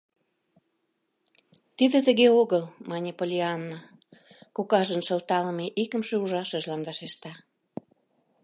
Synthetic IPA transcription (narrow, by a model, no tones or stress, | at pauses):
t̪id̪ə̆t̪ə̆ɣeoɣəlmɑnʲipolʲiɑnːa | kokɑʒənʃəlt̪ɑləmeʔikə̆mʃeuʒɑʃəʒlɑnvɑʃeʃt̪ɑ